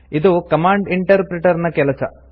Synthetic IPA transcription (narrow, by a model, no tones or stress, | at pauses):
id̪ukɐmaːɳɖiɳʈɐɾpɾeʈɐɾnɐkelɐt͡ɕɐ̰